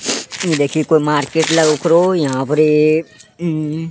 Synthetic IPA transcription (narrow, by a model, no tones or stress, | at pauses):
jed̪eːkʰiekoːimaːɾkeːʈlɐɡʊkʰɾojɐɦãpəɾe